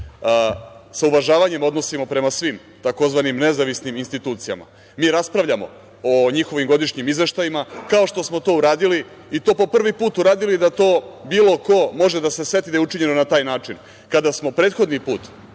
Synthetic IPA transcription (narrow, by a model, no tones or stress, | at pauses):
sauʋaʒaːʋaɲe̞mo̞d̪no̞simo̞pɾe̞masʋim | t̪ako̞zʋanimne̞zaʋisniminst̪it̪uːt̪sija̰ma̰ | miːɾaspɾaʋʎamo̞̰ | oɲixo̞ʋimɡo̞d̪iʃɲimizʋe̞ʃt̪ajimakao̞ʃt̪o̞smot̪o̞uɾaːd̪iliː | t̪o̞ːpo̞pr̩ʋipuːt̪uɾaːd̪ilid̪at̪o̞ːbiːlo̞ko̞mo̞ʒed̪ase̞sʋe̞t̪id̪ajuʈ͡ʂiɲe̞nonat̪aːjnaːt͡ʃin | kad̪asmo̞pɾeːt̪xo̞d̪nipuːt̪